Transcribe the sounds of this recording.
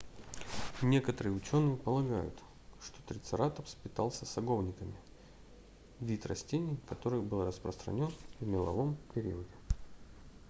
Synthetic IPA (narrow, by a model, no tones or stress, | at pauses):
nʲe̞kət̪əɾɨjʊt͡ɕo̞nːɨjɪpəlˠɐɡa̰jʊ̰t̪ | ʂt̪o̞t̪ɾʲɪt̪sɨɾat̪əfspʲɪt̪alˠsʲəsɐɡo̞vnʲɪkəmʲɪ | vʲit̪rɐsʲtʲenʲɪjkɐt̪o̞ɾɨjbɨlˠrəspɾəst̪ɾɐ̰nʲo̞nvmʲɪlˠɐ̰vo̞mpʲɪɾʲḭədʲɪ